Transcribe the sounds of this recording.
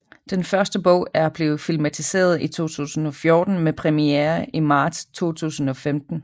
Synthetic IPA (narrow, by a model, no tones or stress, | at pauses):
d̥enfɶɐsd̥əb̥ɔ̰̽ʊ̰æɐb̥le̝ːð̩ˠfilmæt͡sʰise̝̰ːɐð̞̩ˠit͡sʰo̝̰ːt͡sʰṵːsn̩ɒ̽fjo̝ːd̥n̩mepʰʁɛmieːɐimɑ̈ːd̥st͡sʰo̝̰ːt͡sʰṵːsn̩ɒ̽femd̥n̩